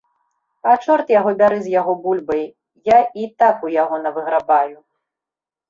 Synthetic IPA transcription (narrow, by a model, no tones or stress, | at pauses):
at͡ʂɔrt̪jaɣɔbʲaɾɨzʲjaɣɔbulʲbɐj | jait̪akujaɣɔnɐvɨɣɾabaju